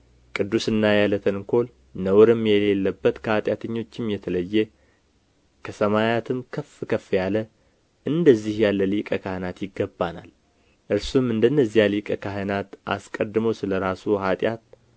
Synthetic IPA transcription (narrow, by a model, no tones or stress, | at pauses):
kʼɨd̪ːusɨnːajalət̪ʰənkʰo̞l | nəwɾɨmjɛlelːəbːət̪kʰəhat̪ʼjat̪ʰəɲːo̞t͡ʃːɪmjɛt̪ʰələjːɛ | kʰəsəmajat̪ʰɨmkʰəfkʰəfjalə | ʔɨnd̪əzːihjalːəlikʼəkʰahənat̪jɪɡːəbːana̰l | ʔɨɾsumɨnd̪ənːəzːijalikʼəkʰaɦənat̪ʔa̰skʼəd̪ːɨməwsɨləɾasuhat̪ʼjat̪̚